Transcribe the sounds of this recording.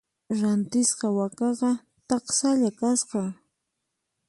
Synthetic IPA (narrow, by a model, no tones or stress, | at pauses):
ɾant̪ɪsqɑwakɑqɑ | t̪ɑqsaʎakasqɑ